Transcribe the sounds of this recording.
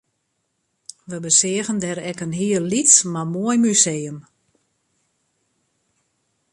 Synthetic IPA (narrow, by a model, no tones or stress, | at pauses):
ʋəbəsɪəɣəndɛɾɛkənɦiəllitsmamoəjmyseːəm